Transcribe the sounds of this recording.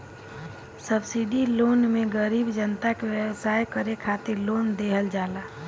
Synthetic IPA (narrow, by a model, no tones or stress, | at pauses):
səbsiɖilonmeɡəɾiːbd͡ʒənt̪akewjəwsajkəɾekʰat̪iɾlond̪eɦəld͡ʒala